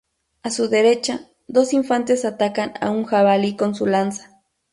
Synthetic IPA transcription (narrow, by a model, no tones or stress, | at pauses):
asud̪eɾet͡ʃa | d̪osiɱfant̪esat̪akana̰uŋxaβalikonsulansḁ